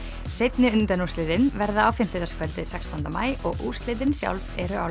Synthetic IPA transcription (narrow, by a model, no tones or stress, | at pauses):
sejt̪nɪʏnt̪ɛnuslɪðɪnvɛɾðaːwfɪm̥t̪ʏt̪askʰvɛlt̪ɪsɛkst̪ʰant̪ama̰ːjɔɣʔust̪lɪːðɪnsja̰wlvɛɾʏaw